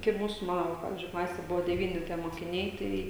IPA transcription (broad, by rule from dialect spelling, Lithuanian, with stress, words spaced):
kɐɪ ˈmuːsʊ ˈmɑːnoː ʋɐ ˈpɑːʋʲɪzʲd͡ʒʲʊɪ ˈklˠɑːsʲeː ˈbʊʋoː dʲɛˈʋʲiːnʲɪ tʲiɛ moːkʲɪˈnʲɛɪ ˈtɐɪ